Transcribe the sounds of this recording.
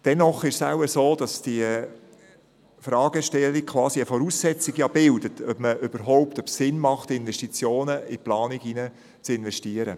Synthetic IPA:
d̥ɛnɔχɪʃsa̰ʊəsoːd̥ɑsd̥iə | fɾɑːɡ̥əʃtɛlːik̚kʰʋɑːsiəfɔɾuːsːɛt͡siɡjɑbɪldətʰœpməʔøb̥əɾɦɔʊptœpsɪnmɑχtɪnvɛʃtit͡sjoːnəiplɑːniɡinə | t͡sɪnvɛʃtiːəɾə

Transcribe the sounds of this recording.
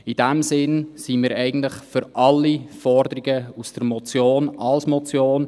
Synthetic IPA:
id̥ɛmsɪnsiːmiːɾɛɪɡən̩tlɪχfʏɾʔɑlːifɔɾdəɾiɡəusd̥əɾmɔt͡sjoːnɑlsmɔt͡sjoːn

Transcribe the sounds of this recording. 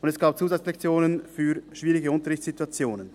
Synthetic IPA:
ʊndɛsɡ̥aːp̚t͡suːzat͡slɛkt͡sjoːnənfyːʃv̥iːʁɪɡəʊntəʁɪçtt͡ssz̥ituat͡sjoːnən

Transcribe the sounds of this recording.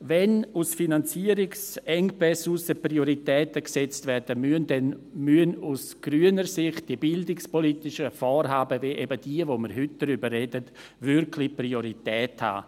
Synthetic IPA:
vɛnusfinant͡siəɾɪksɛŋpɛsusəprioɾitɛːtəksɛt͡stvɛrd̥əmyəndɛnmyənusɡ̥ɾyːənəɾsɪχt̚d̥iəbɪldɪkspolitɪʃəfɔːɾɦaːbəveːʔɛbəd̥iəvoməɾɦʏt̚d̥əɾybərːedət | vʏɾkʰlɪprioɾitɛːtha̰ː

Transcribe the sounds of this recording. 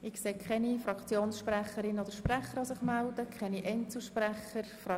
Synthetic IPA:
ɪkseːkʰχɛnifɾɑkt͡sjoːnsʃpræχəɾɪnod̥əɾʃprɛχəɾosɪχmæld̪əkʰχɛniʔɛnt͡sl̩ʃpræχəɾfrɑ

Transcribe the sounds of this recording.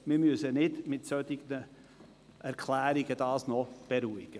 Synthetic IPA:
mɪmyəsənɪdmɪtsœt̪ɪɡnə | ʔæɾkʰlæːɾiɡəd̥ɑːsnɔb̥eɾuɪɡ̥ə

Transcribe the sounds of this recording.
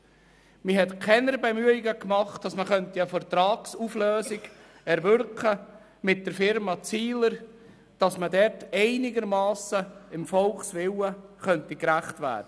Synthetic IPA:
mɪɦɛtkʰɛnəɾbɛmyəɪɡəkmɑχtd̥ɑsməχœntiəfəɾt̪ɾɑːksufløːsɪɡ | ɛɾvʏɾkχə | mɪt̚d̥əɾfɪɾmɑt͡siːləɾ | d̥ɑsmədɛɾtɛɪnɪɡəɾmɑːsəɪmfɔlχsʋɪwəχœntikɾæχtvæ̰ːd̥ə

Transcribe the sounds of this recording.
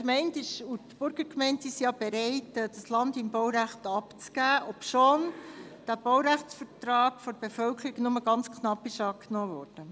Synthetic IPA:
kmɛɪntɪʃutb̥ʊɾɡ̥əɾkmɛɪntsisijɑb̥eɾɛɪtːd̥ɑslɑndɪmbɔwɾæχtɑpt͡sɡ̥æːʔɔpʃond̥æb̥ɔʊɾæχt͡sfəɾtrɑːɡfɔɾb̥efœlkʰəɾiɡnʊməɡɑnt͡skʰnɑpːɪʃɑːknɔːvɔːɾd̥ə

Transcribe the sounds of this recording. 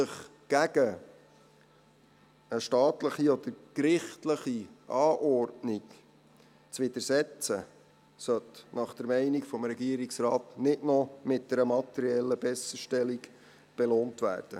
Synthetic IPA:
əχ | ɡ̥æɡə | əʃtɑːtləχiɔd̪əɾkɾɪχtləχiʔɑːʔɔrdnik | t͡sʋɪd̪əɾsɛt͡sə̰ | sœt̪nɑχd̥əɾmɛɪnikfɔmɾɛɡiəɾiksrɑːt̪nɪdnɔmɪt̚d̥ɛɾəmɑt̪ɛɾiɛlːəb̥ɛsəʃtɛlik | b̥eloːntʋæ̰ːrd̥ə̰

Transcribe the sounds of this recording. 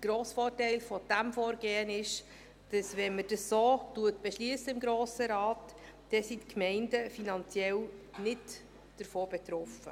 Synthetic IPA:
ɡ̥ɾoːsfoːrtɛɪlfɔd̥æmfoːɾɡeːənɪʃ | d̥ɑsvɛnməd̥əsːoːtuətb̥ɛʃliəsəɪmɡɾoːsəɾɑːtd̥ɛsitkmɛɪndəfinɑnt͡sjɛlnɪt | d̥əɾfoːbɛt̪ɾɔfə̰

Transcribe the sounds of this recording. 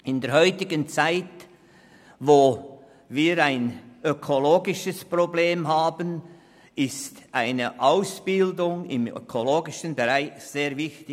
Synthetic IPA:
ɪndeːɐhɔʏtɪɡənt͡saɪt | voː | viːɾaɪnʔøkʰoloːɡɪʃəspʁobleːmɦaːbən | ɪstʔaɪnəʔaʊsb̥ɪldʊŋɪ̰mø̰kʰoloːɡɪʃənbɛʁaɪçz̥eːɾvɪçtɪ

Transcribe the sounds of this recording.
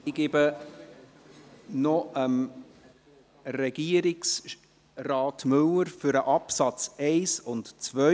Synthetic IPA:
ɪɡ̥ɪbə | nɔəm | rɛɡ̥iəɾɪks | rɑːtmʏləɾfʏɾəʔɑpsɑt͡sɛɪsʊntt͡svœ

